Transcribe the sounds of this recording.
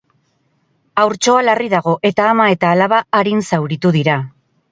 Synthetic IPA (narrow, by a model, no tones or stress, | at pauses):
awɾt͡ʃo̞alariðaɣ̞o̞ʔe̞t̪aːmae̞t̪aːlaβaːɾinsawɾit̪uðiɾa